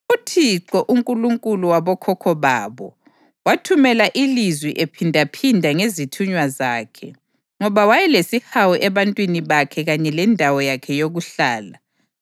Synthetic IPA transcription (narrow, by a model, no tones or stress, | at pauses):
utʰiǁɔʔuŋkʼuluŋkʼuluwaβɔkʰɔkʰɔβaːβɔ̰ | watʰumɛlaʔilizwiʔepʰindʱapʰindʱaŋezitʰuɲwazaːkʰɛ̰ | ŋɔβawajɛlesihawɔʔɛβantʼwiniβakʰɛɣaɲɛlɛndʱawɔjakʰɛjoɣuɬaːla